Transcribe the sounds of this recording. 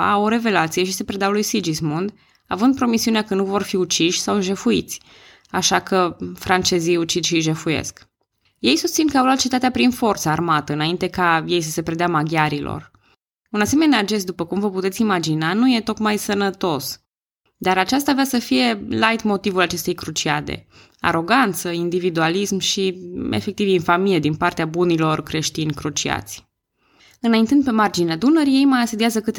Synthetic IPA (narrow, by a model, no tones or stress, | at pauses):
a̰oɾe̞ve̞lat̪sije̞ʃise̞pɾed̪eawlujsid͡ʒismund̪ | avɨnd̪̚pɾo̞misiuneakənuvo̞rfiut͡ʃiʃʲsawʒe̞fuit̪sʲ | aʃakəfɾant͡ʃe̞zijut͡ʃid̪ʃiʒe̞fujḛsk | je̞jsust̪sinkəawlwat̪̚t͡ʃe̞t̪at̪eapɾinfo̞rt̪səarmat̪əɨnaint̪e̞kaje̞js̬əse̞pɾed̪eamaɡʲjaɾilo̰r | unase̞me̞nead͡ʒe̞s̬d̪upəkumvəput̪esimad͡ʒinanuje̞t̪o̞k̪majsənət̪o̞s | d̪aɾat͡ʃas̬t̪aːveasəfije̞lajt̪mo̞t̪ivulat͡ʃe̞st̪e̞jkɾut͡ʃiad̪ḛ | a̰ɾo̞ɡant̪səind̪ivid̪ualismʃiḛfe̞k̚t̪ivinfamijed̪inpart̪eabunilo̞rkɾe̞ʃt̪inʲkɾut͡ʃia̰t̪sʲ | ɨnaint̪ɨnd̪̚pe̞mard͡ʒinead̪unəɾje̞jmajast̪ud̪iazəkɨt̪